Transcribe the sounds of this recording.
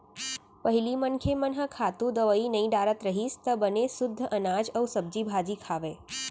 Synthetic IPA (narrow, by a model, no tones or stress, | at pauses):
pəɦilimənkʰemənɦəkʰat̪ũd̪əʋəinəĩɖaɾət̪ɾəɦist̪əbənesʊd̪ʱːəʔənad͡ʒəwsəb̚d͡ʒibʱad͡ʒikʰaʋe